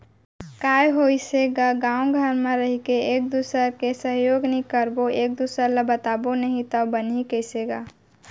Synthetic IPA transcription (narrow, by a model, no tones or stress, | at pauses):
kaːjɦoiseɡaɡãːwɡʱəɾmẽɾəɦikeeːk̚d̪uːsəɾkesəɦjoːɡnɦĩkəɾboeːk̚d̪uːsəɾləbət̪aːbonəɦĩt̪əbənikəiseɡaː